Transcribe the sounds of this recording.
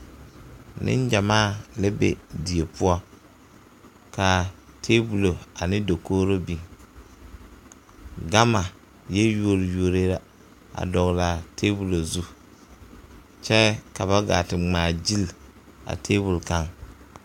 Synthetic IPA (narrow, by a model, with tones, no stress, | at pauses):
nʔɪ̰˦n˦d͡ʒa˨maː˦˨le˦bḛ˨di˨e˨pʊ˦ɔ˦ | ka˨tʰeː˦bu˨lo˨a˨nɪ˦do˨koː˦ɾo˦bi˨ŋ | ɡa˦ma˨ | jɛ˦ju˦o˨ɾju˨o˨ɾe˦la˨ | a̰˨dɔ˨ɣla˨tʰeː˦bu˨lo˨zu˦ | t͡ʃɛ˦ka˨βa˦ɡa̰ː˨tɪ˨ŋ͡maː˨d͡ʒi˦l | a̰˨tʰeː˦bu˨lka˦ŋ